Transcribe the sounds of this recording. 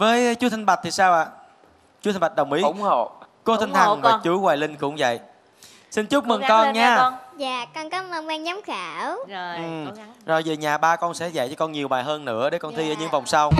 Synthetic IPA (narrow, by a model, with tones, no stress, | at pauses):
vəː˨˦jt͡ɕu˨˦t̪ʰi˧ŋɓa˨˩t̚t̪ʰi˨˩saː˧wʔaː˧˨ | t͡ɕu˨˦t̪ʰi˧ɓa˨˩t̚ɗə˨˩wŋ͡mʔi˨˦ʊ˧˨ŋ͡mo˧˨ | ko˧˦t̪ʰï˧ŋt̪ʰa˨˩ŋvaː˨˧˨t͡ɕu˧˦ɣwaː˨˩jlï˧ŋ̟kʊ̰˧˥wŋ͡mvə̰˧˨jʔ | si˧nt͡ɕʊ˦˥k͡p̚mɨ˨˩ŋkɔ˧nɲaː˧zaː˧˨kɔ˧nkɔ˨˦mə˧ɛː˧ŋɲa˨˦ŋ͡mxaː˧˩wʔɨ˨˩zo˨˩jvi˨˩ɲaː˨˩ɓaː˧kɔ˧nsɛ̰˧˥za̰˧˨jt͡ɕɔ˧kɔ˧nɲi˨˩əwɓaː˨˩ɦəː˧nːɨ̰˧˥əɗe˧˦kɔ˧nt̪ʰi˧ʔːɲɨ̰˧˥ŋva˨˩wŋ͡msa˧w